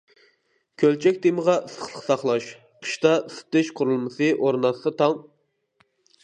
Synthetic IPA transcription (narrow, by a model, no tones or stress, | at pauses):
kʲʰølt͡ʃʰɛk̚ʲd̪eməʁɑʔɨsə̥χlˠə̥qsɑχlˠɑʃ | qʰə̥ʃt̪ɑst̪ɪʃqʰʊɾulˠmɨsɨʔoɾnɑsɨt̪ʰɑŋ